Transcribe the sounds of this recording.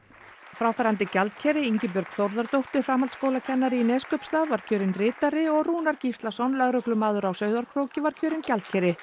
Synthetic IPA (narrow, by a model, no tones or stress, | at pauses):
fɾaːwfaɾant̪ɪcalt̪̚cʰɛːɾɪiɲcɪp̬ʏɾkθowɾðaɾt̪owht̪ɪɾ̥fɾaːmalt̪skoːwlacʰɛnːaɾɪnɛskœpst̪aðvaɾ̥cʰœːɾɪnrɪːt̪aɾɪɔɣruːnaɾcift̪lasɔnlœɣɾœklʏmaːðʏɾawsœːɥðaɾkʰɾoːwcɪvaɾ̥cʰœːɾɪncalt̪̚cʰɛːɾɪ